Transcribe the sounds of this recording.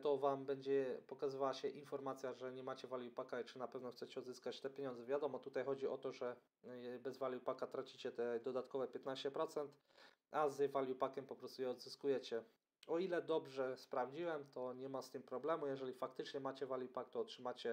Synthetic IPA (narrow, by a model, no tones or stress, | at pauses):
t̪ɔvambɛɲd͡ʑɛpɔkazɨvawaɕɛʔinfɔɾmat̪sʲjaʐɛɲɛmat͡ɕɛvalʲjupakait͡ʂɘnapɛvnɔxt̪sɛt͡ɕɛɔd̪zɘskat͡ɕt̪ɛpʲjeɲɔnd̪zɛvʲjad̪ɔmɔt̪ut̪ajxɔd͡ʑiʔɔt̪ɔʐɛ | bɛzvalʲjupakat̪ɾat͡ɕit͡ɕɛt̪ɛd̪ɔd̪at̪kɔvɛpʲjɛt̪naɕt͡ɕɛpɾɔt̪sɛnt̪ | azvalʲjupakʲɛmpɔpɾɔst̪ujɛɔd̪zɘskujɛt͡ɕɛ | ɔilɛd̪ɔbʐɛspɾavd͡ʑiwɛmt̪ɔɲɛmast̪ɘmpɾɔblɛmujɛʐɛlʲifakt̪ɘt͡ʂɲɛmat͡ɕɛvalʲjupak̚t̪ɔːtʂɘmat͡ɕɛ